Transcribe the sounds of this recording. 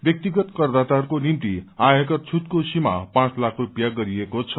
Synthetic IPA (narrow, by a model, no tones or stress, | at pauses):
bjʌk̚t̪iɡʌt̪kʌrd̪at̪arkonimt̪iaɦekʌt̪̚t͡sʰut̪̚kosima̰pãt͡slakʰrupjaɡʌɾiekot͡sʰʌ̥